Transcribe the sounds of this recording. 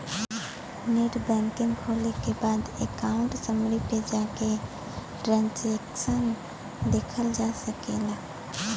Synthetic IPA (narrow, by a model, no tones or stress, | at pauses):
neʈbɛ̃ːŋkɪ̃ŋkʰoːlekebaːd̪ekaːʊ̃ɳʈsəmɽiped͡ʒaːke | ʈɾãnsekʃən | d̪eːkʰəld͡ʒasəkelaː